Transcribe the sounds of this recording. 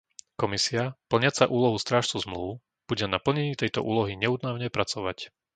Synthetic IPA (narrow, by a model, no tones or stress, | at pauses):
kɔmisiapl̩ɲɪat͡saʔuːlɔɦust̪ɾaːʃt͡suzmluːʊ | b̥uɟɛnapl̩ɲɛɲiːt̪ɛjt̪ɔ̰ʔṵːlɔɦiɲɛuːd̪naʊɲɛpɾat͡sɔʋa̰c